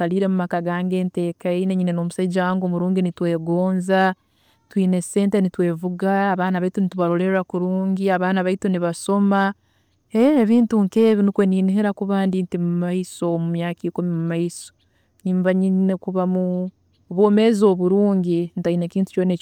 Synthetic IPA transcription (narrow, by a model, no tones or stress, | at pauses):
aliːɾe̞mumakaɡaːŋɡe̞ːnte̞ːkaineɲine̞no̞ːmusaiɟaŋɡo̞muɾuːŋɡinitwe̞ːɡo̞ːnza | twiːne̞se̞ːnte̞nitwe̞ːvuɡaːβaːnaβaitunituβaɾo̞leɾɾakuɾuːɲɟiaβaːnaβaituniβaso̞ma | eːβiːntuŋke̞ːβinikweniːniɦeɾakuβaːndintimumaiso̞mumjaːkiːkumimumaiso̥ | ɲiːmbaɲinekuβamu | oβoːme̞zo̞ːβuɾuːɲɟintaineciːntu̥t͡ʃonec